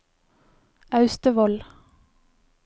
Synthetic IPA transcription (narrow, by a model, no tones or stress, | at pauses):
ɑʉst̪əʋɔl